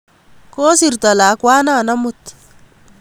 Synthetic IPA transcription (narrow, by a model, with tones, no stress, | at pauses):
ko˦si˨rt̪a˨laː˨kwaː˦na˦˨na˦mʊt̪